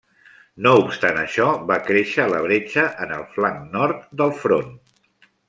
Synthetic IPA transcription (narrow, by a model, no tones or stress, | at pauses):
noupst̪anəʃɔβakɾeʃəːləβ̞ɾet͡ʃəʔənəlˠflaŋnɔɾt̪̚d̪əlˠfɾon